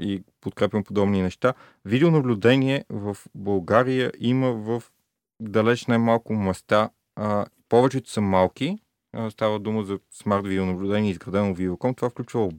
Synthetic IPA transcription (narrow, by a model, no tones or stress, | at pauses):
ipot̪kɾɛpʲjʲəmpod̪ɔbninɛʃt̪a | vid̪ɛonəblʲud̪ɛniɛvəfbɐlˠɡaɾijəʔiməvəf | d̪ɐlɛt͡ʃnajmalˠkʊmɛst̪a | pɔvɛt͡ʃɛt̪ʊ̥sɐmalˠki | st̪avəd̪uməzɐsmaɾt̪vid̪ɛonɐblʲʊd̪ɛnʲiɛizɡɾɐd̪ɛnovid̪ɛvokɔmt̪ovafklʲut͡ʃvəlˠ